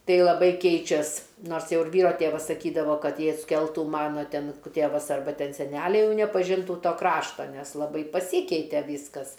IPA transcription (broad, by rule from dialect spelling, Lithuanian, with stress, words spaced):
ˈtɐɪ lˠɐˈbɐɪ ˈkʲɛɪt͡ʃʲɛs ˈnoːrs ˈjɛʊ ɪr ˈʋʲiːroː ˈtʲeːʋɐs sɐˈkʲiːdɐʋoː ˈkɐt ˈjɛɪ ɐtʲsʲˈkʲɛlˠtʊ ˈmɑːnoː ˈtʲɛn k ˈtʲeːʋɐs ɐrˈbɐ ˈtʲɛn sʲɛˈnʲælʲɛɪ ˈjɛʊ nʲɛpɐˈʒʲɪntuː ˈtoː ˈkrɑːʃtoː nʲɛs lˠɐˈbɐɪ pɐˈsʲiːkʲɛɪtʲeː ˈʋʲiːskɐs